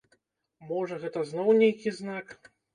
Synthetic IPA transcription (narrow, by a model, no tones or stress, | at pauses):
mɔʐɐɣɛt̪ɐznɔwnʲejkʲiznak